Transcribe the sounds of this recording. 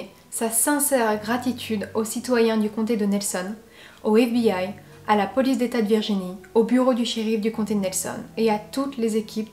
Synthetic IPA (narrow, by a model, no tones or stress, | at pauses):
sasɛ̃sɛʁɡʁat̪it̪ʰyd̪osit̪wajɛ̃d̪ykɔ̃t̪̬ed̪ənɛlsɔn | oɛfbiaj | alapɔlisd̪et̪ad̪əviʁʒiniobyʁod̪yʃiʁifd̪ykɔ̃t̪ed̪ənɛlsɔ̰neat̪ut̪lezekʲʰip̚